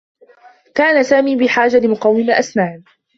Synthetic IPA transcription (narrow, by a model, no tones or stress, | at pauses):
kaːnasaːmiːbɪħaːd͡ʒalɪmʊqɑwːɪmaʔasmaːʕn